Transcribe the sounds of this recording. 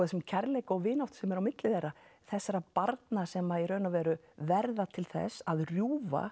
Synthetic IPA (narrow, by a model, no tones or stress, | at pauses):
ɛsɛmcʰɛɾlejkɔɣvɪːnaw̥t̪sɛmɛɾawmɪt̪lɪθejrːaθɛsːaɾapaɾt̪nasɛmaðirœɥnavɛːɾʏ | vɛɾðat̪ʰɪlθɛ̰sːaðrjuːva̰